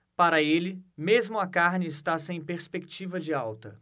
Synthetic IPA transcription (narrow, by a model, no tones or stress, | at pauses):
paɾɐelɪmezmʊɐkaɾnɪːst̪asẽj̃peɾspekt͡ʃivɐd͡ʒɪawt̪ɐ̰